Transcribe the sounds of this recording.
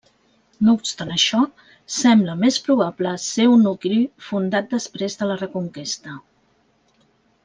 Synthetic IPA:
noupst̪anəʃɔ | sɛmbləmespɾuβ̞apləseunːuklifund̪at̪̚d̪əspɾezðələrəkuŋkest̪ə

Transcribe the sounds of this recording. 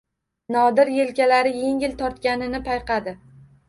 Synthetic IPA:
nɒd̪ɪɾje̞lkʲalaɾɪje̞ŋʲɪlt̪ʰɒɾt̪kʲanɪnɪpʰajqʰɑd̪ɪ

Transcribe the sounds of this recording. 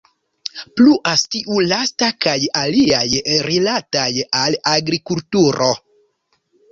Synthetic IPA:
pluʔastiʔulastakajaliajɾilatajalaɡɾikultuɾʔo

